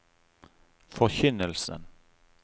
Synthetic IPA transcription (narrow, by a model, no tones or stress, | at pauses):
fœɾɕʏnːəlsə̰n